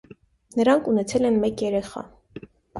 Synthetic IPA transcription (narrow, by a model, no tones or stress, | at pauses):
nəɾɑŋkʰunɛt͡sʰɛlɛnmɛkjɛɾɛχɑ̰